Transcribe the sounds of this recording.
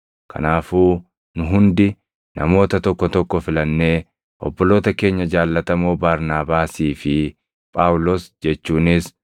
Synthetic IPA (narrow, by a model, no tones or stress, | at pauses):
kʰɐ̰naːfuː | nʊɦʊnd̪ɪ | nɐ̰mo̞ːt̪ɐt̪ɔkːɔt̪ɔkːɔfɪlɐnːe̞ː | ʔɔ̰bːɔlo̞ːt̪ɐke̞ːɲːɐd͡ʒaːlːɐt̪ɐmoːbaːɾnaːbaːsiːfɪ | pʼaːwʊlɔsd͡ʒɛt͡ʃːuːnɪs